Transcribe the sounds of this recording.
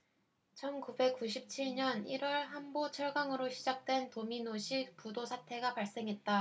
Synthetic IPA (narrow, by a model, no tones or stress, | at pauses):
t͡ɕʰʌnkube̞k͈uɕʰip̚t͡ɕʰiɭɲʌniɾwʌɭɦambot͡ɕʰʌɭɡaŋɯɾoɕʰid͡ʑak̚t͈we̞ntominoɕʰik̚pudosʰatʰe̞ɡapaɭs͈e̞ŋɦe̞t̚t͈a